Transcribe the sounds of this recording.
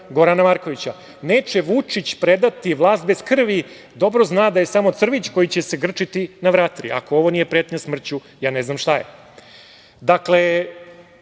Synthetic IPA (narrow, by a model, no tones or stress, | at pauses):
ɡo̞ɾanamaɾko̞ʋit͡ɕa | neːt͡ʃe̞ʋut͡ʂit͡ɕpɾe̞d̪at̪iʋlˠaːst̪̚beskr̩ʋi | d̪o̞bɾo̞znaːd̪aje̞samo̞t̪sr̩ʋit͡ɕko̞jit͡ɕese̞ɡr̩t͡ʂit̪inaʋɾat̪ɾḭa̰ko̞oʋo̞nije̞pɾet̪ɲasmr̩t͡ɕu | jaːne̞znamʃt̪ajḛ | d̪akle